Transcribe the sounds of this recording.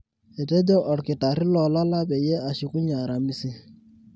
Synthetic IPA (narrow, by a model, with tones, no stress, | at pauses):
e˨tɛ˦d͡ʒɔ˦ʔɔ˨ɾkɪ˨ta˨ɾɪ˦lɔ˨la˦la˦bɛ˨jɛ˦a˨ʃi˨ku˦ɲa˨ɾa˨mi˦sɪ˦